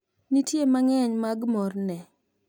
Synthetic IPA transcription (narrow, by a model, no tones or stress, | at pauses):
nitjemaŋɛɲmaɡmɔrnɛ